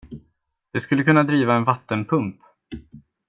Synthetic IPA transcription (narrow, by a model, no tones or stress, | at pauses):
d̪̥ɛskɵlːəkʰɵnːad̪ɾiːvaɛnvat̪ːənpʰɵmp